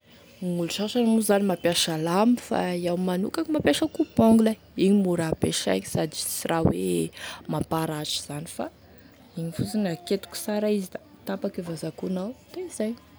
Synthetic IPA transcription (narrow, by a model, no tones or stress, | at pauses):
ŋuluʃaʃanmuzanimapjaʃalamifa̰iawmanṵkaimapjaʃakuboŋɡila | iɲimuɾapeʃa̰ɲisad̪i̥sirʔawemapaɾaʈ͡ʂi̥z̥anifa̰ | iɲifut͡sinaket̪u̥ku̥saɾaizid̪a | t̪apakevazakunawt̪eizaj